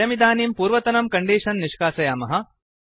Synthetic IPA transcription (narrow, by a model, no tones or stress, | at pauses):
ɐmid̪aːniːmpuːɾʋɐt̪ɐnɐmkɐɳɖiːʂɐnːiʂkaːsɐjaːmɐɦɐ̆